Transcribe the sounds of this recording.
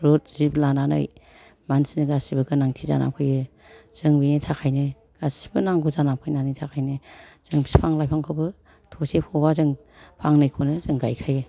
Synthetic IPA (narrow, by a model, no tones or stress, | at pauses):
ɾot̚z̥iblanana̰j | mansinɯɡasibɯɡɯnaŋtʰiza̰na̰pkʰɯjɯ | z̥ɯŋbinijtʰakʰajnɯ | ɡ̥asi̥bɯnaŋɡuzanap̚kʰɯjnanɯjtʰakʰajnɯz̥ɯŋbisi̥pʰaŋlajpʰaŋkʰɯbɯ | tʰosepʰɔbazɯŋ | pʰaŋnɯjkʰonɯzɯŋɡajkʰajɯ